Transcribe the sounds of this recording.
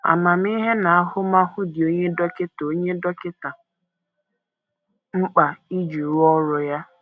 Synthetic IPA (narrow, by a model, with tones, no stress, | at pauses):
a̰˨ma˨m̩˦i˦ɦe˦na˨a˦ɦʊ˦ma˦ɦʊ˦dɪ˨o˦ɲe˦dɔ˦kɪ˦to˦ɲe˦dɔ˦kɪ˦ta˨ | ŋ͡m̩˦k͡pa˨i˦d͡ʒu˨ɾʊ˦ɔ˦ɾʊ˨ja˦